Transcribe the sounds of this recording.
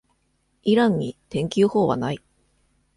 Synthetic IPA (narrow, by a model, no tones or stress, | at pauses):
iɾãɲ̟ːit̪ẽ̞ŋkʲɨːho̞ːβa̰nai